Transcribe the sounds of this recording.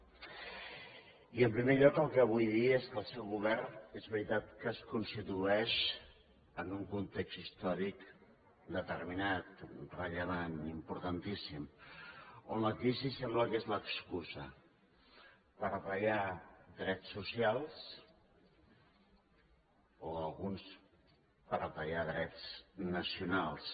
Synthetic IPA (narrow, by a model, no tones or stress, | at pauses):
iəmpɾimeʎɔkəlˠkɛəβ̞ujðieskəlˠsɛwɣuβɛɾnezβɾit̪at̪̚kəskunst̪it̪uɛʃ | ənuŋkunt̪ekst̪ist̪ɔɾik | d̪ət̪əɾminat̪rəʎəβ̞animpuɾt̪ənt̪isim | onləkɾizisɛmbləkezləkskuzə | pəɾaβəjad̪ɾɛsːusialˠs | oəlˠɣuns | pəɾapəjaðɾɛt͡snəsiunalˠs